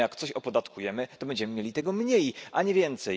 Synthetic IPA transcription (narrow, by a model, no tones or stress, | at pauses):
jakt̪sɔɕɔpɔd̪at̪kʰujɛmɘt̪ɔbɛɲd͡ʑɛmɘmʲjelʲit̪ɛɡɔmɲejʔaɲɛvʲjɛnt̪sɛ